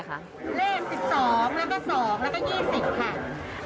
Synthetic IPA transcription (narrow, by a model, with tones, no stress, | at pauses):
leː˥˩ŋsi˨˩p̚sɔː˩˦ŋlɛ˦˥kɔː˥˩sɔː˩˦ŋlɛ˦˥kɔ˥˩jiː˥˩si˨˩p̚kʰa˥˩